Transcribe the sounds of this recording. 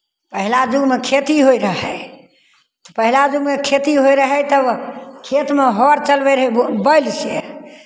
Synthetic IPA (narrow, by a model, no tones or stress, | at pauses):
pəɦilad͡ʒuɡmekʰet̪iɦoiɾəɦɛ | t̪ɔpəɦilad͡ʒuɡmekʰet̪iɦoiɾəɦɛt̪əbkʰet̪meɦɔɾt͡ʃəlbɛɾɦɛbəɪlse